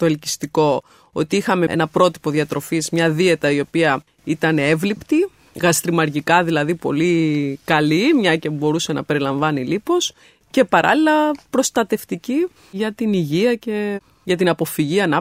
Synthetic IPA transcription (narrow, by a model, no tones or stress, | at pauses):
t̪o̞elci̥st̪iko̞ | o̰t̪iixɐme̞ḛnɐpɾo̞t̪i̥po̞ðiɐt̪ɾo̞fizmɲɐðie̞t̪ɐio̞piɐ | it̪ɐnee̞vlipt̪i | ɣɐst̪ɾimɐɾʝikɐðilɐðipo̞̰likɐlimɲɐcebo̞ɾuse̞nɐ̰pe̞ɾilɐɱvɐnilipo̞s | ce̞pɐɾɐ̰lilɐpɾo̞st̪ɐt̪e̞ft̪ici | ʝɐt̪iniʝiɐce̞ | ʝɐt̪inɐpo̞fiʝiɐnɐ